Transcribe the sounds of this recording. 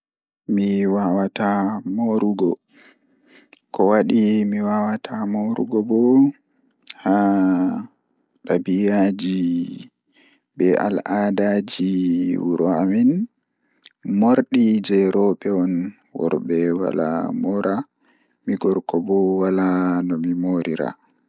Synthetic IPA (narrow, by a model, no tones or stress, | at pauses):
miwawatamoɾuɡɔ | kɔwaɗimiwawatʰamoɾuɡɔbɔ | ha | ɗabijad͡ʒi | bɛʔa̰ladad͡ʒiwuɾamin | moɾɗid͡ʒɛɾɔɓɛɔn | wɔ̰ɾbɛwa̰la̰mɔɾa | miɡɔɾkɔbɔwalanɔmimoɾiɾa̰